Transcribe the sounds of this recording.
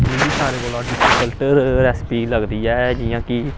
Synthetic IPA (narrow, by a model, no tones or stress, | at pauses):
d͡ʒeːbiːsaːɾeːboːlãɖɪsikəlʈəɾɾɛːspiːləɡd̪iːɛːd͡ʒijãːkɪ